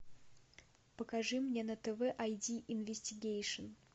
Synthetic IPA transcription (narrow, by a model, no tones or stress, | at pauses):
pəkɐʐɨmnʲenət̪ɛvɛʔajdʲiʔɪnvʲɪsʲtʲɪɡʲejʂɨn